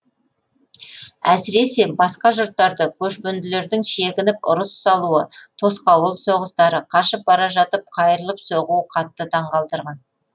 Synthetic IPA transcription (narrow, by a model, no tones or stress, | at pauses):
æsɪɾe̞se̞bɑsqɑʒʊɾt̪ːɑɾd̪əkʲʰɵʃpɵnd̪ɪle̞ɾd̪ɪŋʃe̞ɡʲɪnɪpʊ̰ɾəsːɑlˠuət̪ʰo̞sqɑwəlˠso̞ʁəst̪ɑɾəqʰɑʃəp̚bɑɾɑʒɑt̪əp̚qʰɑjəɾəlˠəpsoʁuəqʰɑt̪ːət̪ʰɑɴqɑlˠd̪əɾʁɑn